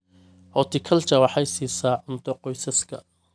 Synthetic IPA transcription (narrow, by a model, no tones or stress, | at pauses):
hɔːt̪ʰɪkʰɐlt͡ʃɐwɑħɐjsiːsaːʕʊnt̪ʰɔqɔjsɐskʰɐ